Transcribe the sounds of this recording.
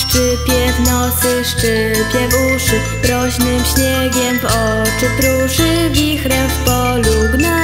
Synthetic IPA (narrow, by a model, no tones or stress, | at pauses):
ʂt͡ʂɘpʲjɛvnɔt̪sɘʂt͡ʂɘ | pʲjɛvuʂɘ | pɾɔɕnɘmɕɲɛɡʲjɛmvɔ | t͡ʂɘpɾuʂɘvʲixɾɛfpɔ | luɡna